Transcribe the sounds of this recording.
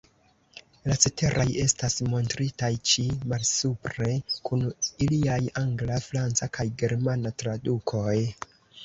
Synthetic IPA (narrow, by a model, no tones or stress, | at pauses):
lat͡sete̞ɾʔaje̞stasmo̞ntɾitajt͡ʃimalsupɾe̞kuniliajaŋɡlafɾant͡sakajɡe̞ɾmanatɾadukʰo̞j